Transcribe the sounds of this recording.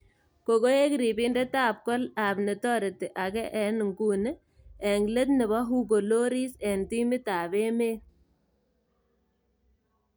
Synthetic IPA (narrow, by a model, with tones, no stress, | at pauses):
ko˨ko˦je˦ki˨ɾi˨bi˦nde˦taː˦p̚kɔ˦la˨bne˨tɔ˦ɾe˨tɪ˨ʔa˨kɛ˦ʔɛ˨˦n˨ŋɡuː˦n˦ | ɛ˨ŋle˦t̪nɪ˨βɔ˦ɦu˦ɡ̬o˨lo˦ɾi˦sɛ˨nti˦mi˦taː˨βe˦meː˦